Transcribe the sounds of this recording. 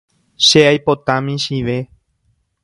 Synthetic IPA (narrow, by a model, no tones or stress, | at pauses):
ʃeajpo̞t̪ãmĩʃiʋe̞